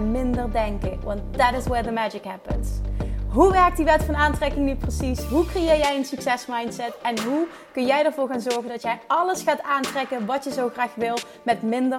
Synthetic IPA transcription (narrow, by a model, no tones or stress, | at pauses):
mɪndəɹdɛŋkəʋɑnt̚d̪ætɪswɛɹðəmæd͡ʒɪkɦæpənsɦuʋɛɹk̚tdiʋɛtfɑnaːntrɛkɪŋnyprəsisɦukrejɪːɹjɛjənsyksɛsmɑjntsɛtɛnɦu | kɵnjɛjəɹvʊːɹɣaːnzɔɹɣəndɑtjɛjɑləsxaːtaːntrɛkənʋɑtjəzowχraːxʋɪlˠ | mɛtmɪndə